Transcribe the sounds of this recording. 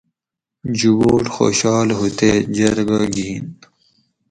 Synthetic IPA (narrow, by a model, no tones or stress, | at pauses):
d͡ʑuboːʈxo̰ːɕɑːlɦut̪ed͡ʑɐɾɡaɡiːn